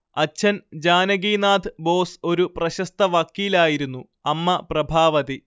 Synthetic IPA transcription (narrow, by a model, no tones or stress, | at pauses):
ɐt͡ɕʰːɐnd͡ʑaːnɐɡiːnaːd̪ʰʱɨbo̞ːso̞ɾuprɐɕɐst̪ɐʋaːkːiːlaːjiɾunːu | ɐmːɐprɐbʱaːʋɐði